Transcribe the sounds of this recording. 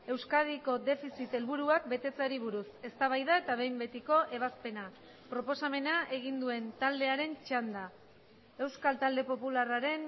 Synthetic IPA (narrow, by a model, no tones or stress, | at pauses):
e̞wskaðiko̞d̪e̞fisit̪e̞lβuɾuak̚be̞t̪e̞t͡saɾiβ̞uɾuse̞st̪aβ̞ajðae̞t̪aβ̞e̞jmbe̞t̪iko̞ʔe̞βaspe̞na | pɾo̞po̞same̞naʔe̞ɣ̞ind̪ue̞nt̪ald̪e̞aɾe̞nt͡ʃand̪a | e̞wskalt̪ald̪e̞po̞pularaɾe̞n